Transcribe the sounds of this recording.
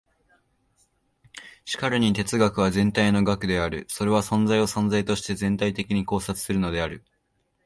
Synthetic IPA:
ɕi̥kaɾɯ̟ɲ̟it̪e̞t͡sɨɡakɯ̟β̞azẽ̞nt̪aino̞ɡakɯ̟d̪e̞aɾɯ̟so̞ɾe̞β̞asõ̞nzaio̞sõ̞nd͡zait̪o̞ɕi̥t̪e̞zẽ̞nt̪ait̪e̞kʲiɲ̟iko̞ːsat͡sɨ̥sɨɾɯ̟no̞d̪e̞aɾɯ̟

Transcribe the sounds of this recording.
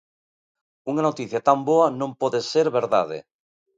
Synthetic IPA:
uŋanot̪iθjat̪amboanõmpoðeseɾβeɾða̰ð̞ḛ

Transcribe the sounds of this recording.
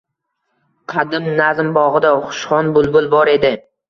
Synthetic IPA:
qʰɑd̪ɪmnazɪmbɒʁɨd̪aʊχʊ̥ʃχɒnbʊlˠbʊlˠbɒɾe̞d̪ɪ

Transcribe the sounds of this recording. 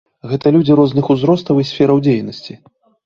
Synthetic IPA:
ɣɛt̪ɐlʲud͡zʲiɾɔznɨxuzɾɔst̪ɐwisʲfʲɛɾɐwd͡zʲejnɐsʲt͡sʲi

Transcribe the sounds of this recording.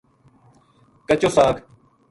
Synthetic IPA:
kət͡ʃoːsaːk

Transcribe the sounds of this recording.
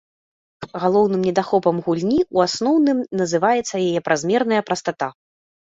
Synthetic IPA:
ɣalˠɔwnɨmnʲɛd̪axɔpɐmɣulʲnʲiuasnɔwnɨmnɐzɨvajɛt̪sːɐjajɛpɾʔazmʲɛrnɐjɐpɾɐst̪at̪a

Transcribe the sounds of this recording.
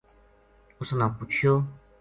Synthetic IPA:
usonãkut͡ʃo

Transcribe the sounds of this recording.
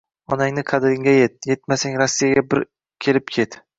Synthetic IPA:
ɒnaŋnɪqʰɑd̪ɾɪŋʲajet̪̚je̞t̪̚masaŋɾɒsːijaɡʲabɪɾ | kʲʰe̞lɪp̚kʲʰe̞t̪

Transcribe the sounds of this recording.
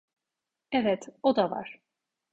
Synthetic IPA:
ɛvɛt̪od̪ava̰ɾ̥

